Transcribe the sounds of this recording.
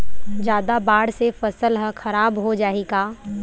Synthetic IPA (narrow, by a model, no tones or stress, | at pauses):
d͡ʒjaːd̪abaːɽsefɐsəlɦə̃xɐɾaːbɦod͡ʒaːeːɡaː